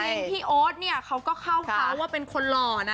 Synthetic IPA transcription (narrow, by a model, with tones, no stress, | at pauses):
e˧iː˥˩ʔoː˦˥t̪̚ni˥˩ɐkʰa˦˥wkɔː˥˩kʰa˥˩wʰa˦˩˥wːaː˥˩pe˧nkʰo˧nlɔː˧˩na˦˥